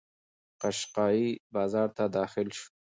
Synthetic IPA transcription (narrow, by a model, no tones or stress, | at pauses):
qaʃqɑibɑzɑɾt̪ad̪ɑxɪlʃ